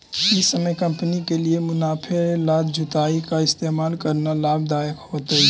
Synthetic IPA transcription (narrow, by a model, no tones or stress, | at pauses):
ɪsəməjkə̃mpənikeliemʊnaːpʰelaːd̪d͡ʒʱʊt̪aːikaɪst̪eːmaːlkəɾnalaːb̚d̪aːjəkhoːt̪əi